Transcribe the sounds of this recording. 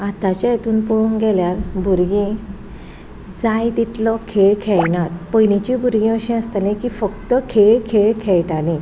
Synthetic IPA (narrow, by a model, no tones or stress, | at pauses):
at̪at͡ɕajet̪uːnpoɭunɡɛljaɾbʱuɾɡẽ | d͡zajd̪it̪lɔkʰeɭkʰɛjnat̪pəjnit͡ɕibʱuɾɡĩəɕĩəst̪alẽkiːfəkt̪əkʰeɭkʰeɭkʰɛɭʈalĩ